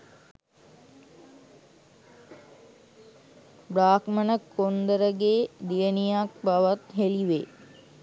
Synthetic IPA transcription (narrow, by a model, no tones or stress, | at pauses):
bɾaːkmənəkʰond̪əɾəɡeːd̪ijənijak̚baʋat̪ɦeliʋe